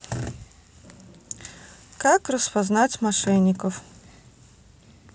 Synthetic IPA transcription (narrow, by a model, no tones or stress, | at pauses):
kakrɐspaznat͡sʲmaʂɛnʲːikɐw